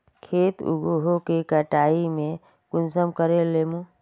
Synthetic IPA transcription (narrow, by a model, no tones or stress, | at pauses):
kʰeːt̪ṵɡoɦokekəʈaːimẽ | kʊnsəmkəɾelemu